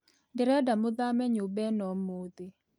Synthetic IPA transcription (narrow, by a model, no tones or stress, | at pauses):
ndɪɾɛdamʊd̪amɛɲʊbɛnɔmod̪ɪ